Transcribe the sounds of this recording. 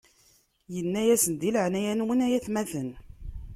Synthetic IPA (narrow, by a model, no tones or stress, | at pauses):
jənːæjæsənd̪ilʕnæjænwənæjæθmæθən